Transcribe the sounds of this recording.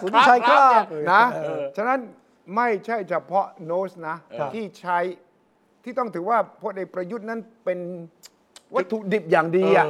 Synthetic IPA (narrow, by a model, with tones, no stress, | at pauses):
a˦˥a˥na˦˥t͡ɕʰa˥˩na˦˥n | ma˥˩jt͡ɕʰa˥˩jt͡ɕʰa˧pʰɔ˦˥noː˦˥sna˦˥iː˥˩t͡ɕʰa˦˥j | t̪ʰiː˥˩t̪ɔ˥˩ŋt̪ʰɯː˩˦waː˥˩pʰo˧˨nʔeː˨˩k̚pɾa˧ju˦˥t̪̚na˦˥npe˧n | wa˦˥t̪ʰːu˨˩k̚di˨˩p̚jaː˨˩ŋdiː˧ʔa˨˩